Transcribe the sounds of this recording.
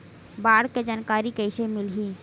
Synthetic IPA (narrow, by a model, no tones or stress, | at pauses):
baːɽked͡ʒaːnkaːɾikəɪsemɪlɦi